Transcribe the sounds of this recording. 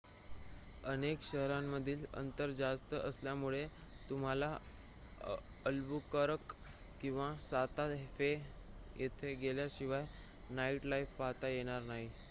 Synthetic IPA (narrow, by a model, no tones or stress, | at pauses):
ənekɕəɦɾamːəd̪ʱiːlə̰nt̪əɾd͡zast̪əʔəsljamuɭet̪um̤ala | əlbukəɾəkː | ĩw̃ʋasat̪afe | jet̪ʰeɡeljaɕiʋaj | naiʈlaifpaɦt̪ajeɽ̃aɾnaɦi